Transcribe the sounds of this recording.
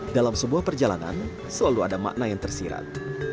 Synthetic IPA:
dalamsəbuahpərd͡ʒalana̰n | səlaluadama̰ʔnajaŋt̪ərsiɾa̰t̪̚

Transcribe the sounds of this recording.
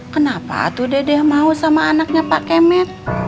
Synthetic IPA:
kənapa̰t̪udɛdɛhmausamaːnak̚ɲapaʔkemɛt̪̚

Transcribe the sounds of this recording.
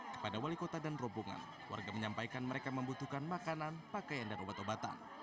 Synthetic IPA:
kə̥padawalikot̪adanrɔbuŋa̰n | wa̰rɡaməɲampajkanməɾekaməmbut̪ukanmakananpakajandanobat̪obat̪a̰n

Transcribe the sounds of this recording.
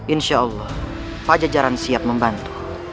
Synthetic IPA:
ʔinʃaʔɔlːɔh | pad͡ʒad͡ʒaɾansiap̚məmbant̪u̥

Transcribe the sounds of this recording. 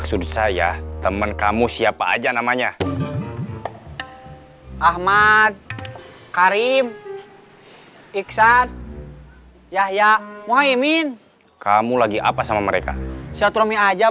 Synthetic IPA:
ksud̪sajat̪əmənkamusiapa̰ːd͡ʒanamaɲa | ʔahmad̪̚ | kaɾim | iksan | jahjamuɦaimin | kamulaɡiʔapasamaməɾeka̰siat̪ɾɔmiad͡ʒa

